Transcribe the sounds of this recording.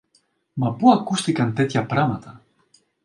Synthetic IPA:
mɐpuɐkust̪ikɐnt̪e̞t̪çɐpɾamɐt̪ɐ

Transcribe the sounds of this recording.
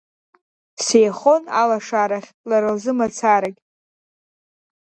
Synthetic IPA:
sejχo̞nalaʂaɾaχʲlaɾɨlzɨmat͡sʰaɾakʲ

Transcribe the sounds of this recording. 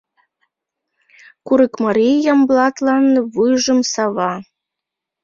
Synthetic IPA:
kuɾəkmɑɾʲijɑmblˠɑt̪lˠɑnvɯʒɤ̆msɑβɑ

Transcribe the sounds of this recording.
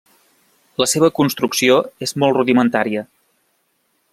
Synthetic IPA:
ləseβ̞əkunst̪ɾuksioezmɔlˠtruðimənt̪aɾiə

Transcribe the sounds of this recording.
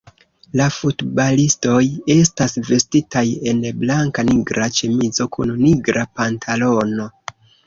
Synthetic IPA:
lafutbalisto̞je̞stasve̞stitaje̞nblaŋkaniɡɾat͡ʃemid͡zo̞kʰṵnniɡɾʔapantʰalo̞no̞

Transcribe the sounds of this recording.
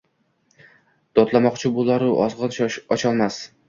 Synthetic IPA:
d̪̥ɒt̪lamɒqt͡ʃʰɪbolˠaɾʊʔɒzʁɨnɒt͡ʃʰɒlˠmas

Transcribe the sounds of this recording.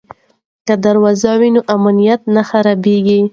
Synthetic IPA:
kad̪aɾwɑzawinoʔamanijat̪̚naxaɾabeɡi

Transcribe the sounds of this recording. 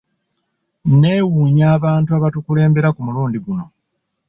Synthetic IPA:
ne̞ːwuːɲaːβaːntuaβatukule̞ːmbe̞ɾakumuluːndiɡuno̞

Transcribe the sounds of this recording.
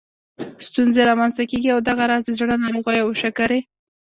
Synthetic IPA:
st̪unzeɾɑmanzt̪akeɡiawd̪aɣaɾɑzd̪əzɽənɑɾoɣajawʃakaɾe

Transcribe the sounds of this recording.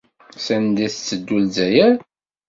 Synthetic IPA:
sænd̪iθt͡sːəd̪ːulzæjæɾ

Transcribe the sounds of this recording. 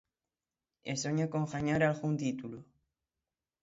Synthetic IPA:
ḛsoɲakoŋxaɲaɾalɣunt̪it̪ulu

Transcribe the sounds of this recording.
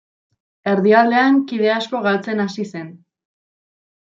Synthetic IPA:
e̞ɾðiald̪e̞aŋkiðe̞asko̞ɣalt͡se̞nasise̞n

